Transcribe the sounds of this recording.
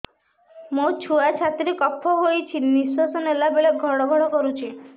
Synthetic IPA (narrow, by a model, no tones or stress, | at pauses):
mot͡ʃʰuat͡ʃʰat̪ɾekɔpʰːɔɦojt͡ʃʰinisosɔnelabeɭeɡʱɔɽɔɡʱɔɽɔkɔɾut͡ʃʰi